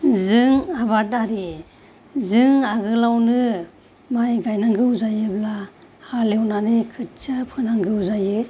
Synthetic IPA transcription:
zɯŋaβat̚aɾi | zɯŋaɡɯlawnɯ | majɡajnaŋɡɯwzajɯbla | halewnanikʰɯt̚sɯpʰɯnaŋɡɯwzajɯ

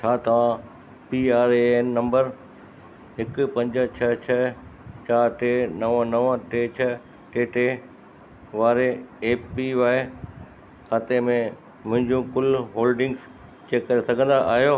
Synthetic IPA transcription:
t͡ɕʰaːt̪ɐʋ̤ã | piaːɾeeːnːɐ̃mbəɾ | ɦɪkʊpɐ̃ɲd͡ʑət͡ɕʰɐt͡ɕʰɐt͡ɕaːɾʈeːnɐʋə̃nɐʋʈeːt͡ɕʰɐ | ʈeːʈeː | ʋaːɾeeːpiʋaːe | kʰaːt̪emẽ | mʊ̃ɦɪ̃ɲd͡ʑũkʊlɦoːlɖɪ̃ŋɡz | t͡ɕeːkːɐɾesɐɡʱə̃n̆d̪aʔa̰ːɦjo

